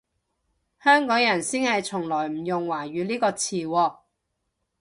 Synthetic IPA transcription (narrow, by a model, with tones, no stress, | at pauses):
hœː˥ŋkɔː˨˥ŋjɐ˨˩nsiː˥nhɐ˨jt͡sʰʊ˨˩ŋlɔː˨˩jm̩˨˩jʊ˨ŋwaː˨˩ɥyː˨˧liː˥kɔː˧t͡sʰiː˨wɔː˧